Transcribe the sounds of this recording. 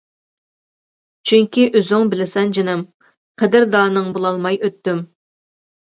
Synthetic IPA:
t͡ʃʰyŋʲkʲiʔøzyŋbɪlɪsɛnd͡ʒinɨm | qʰəd̪ɪɾd̪ɑːnɨŋbolˠɑlˠmɑjøt̪ːym

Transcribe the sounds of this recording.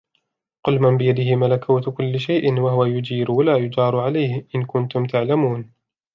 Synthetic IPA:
qʊlmambɪjad̪ɪhɪmalakuːt̪kʊlːɪʃajʔɪnwaɦʊwajʊd͡ʒiːɾʊwalaːjʊd͡ʒɑːɾˤʊʕalajhɪʔɪnkʊnt̪ʊmt̪ʰaʕlamuːn

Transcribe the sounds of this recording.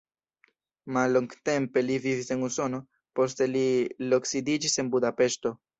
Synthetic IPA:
malːo̞ŋɡte̞mpe̞livivise̞nuso̞no̞ | po̞s̬te̞liloksidid͡ʒise̞nbudape̞ʃto̞

